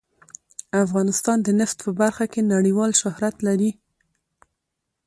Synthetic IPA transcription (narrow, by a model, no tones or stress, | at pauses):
afɣɑnɪst̪ɑnd̪ənɪft̪pəbaɾxakenaɽiwɑlʃʊhɾat̪laɾi